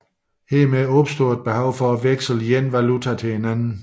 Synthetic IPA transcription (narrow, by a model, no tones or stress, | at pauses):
he̝ɐmeɒb̥sd̥o̝ɐed̥̚b̥e̝hɑ̈ʊ̰fɒʋeɡ̥sl̩jenʋælut͡sʰæt͡sʰe̝he̝nænn̩